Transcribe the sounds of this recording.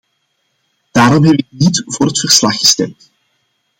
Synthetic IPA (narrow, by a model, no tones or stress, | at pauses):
d̥aːɾɔmɦɛbɪk̚nitv̥ʊːrɦətfərslɑxːə̥stɛmt